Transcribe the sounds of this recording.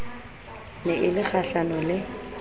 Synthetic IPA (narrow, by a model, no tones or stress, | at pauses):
nɛʔɪlɪk͡xaɬanɔlɪ